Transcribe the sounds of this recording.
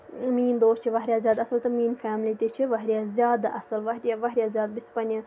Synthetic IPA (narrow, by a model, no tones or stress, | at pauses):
miːnd̪oːst͡ʃʰiʋɐɦɾʲijaːzʲjaːd̪ɐsɐlt̪ɐmiːnfaːmlit̪it͡ʃʰiʋɐɦɾijaːzʲjaːd̪ɐʔɐsɐlʋɐɦɾʲjaʋɐɦɾʲijaːzjaːd̪ɐbisʲpɐnʲɐ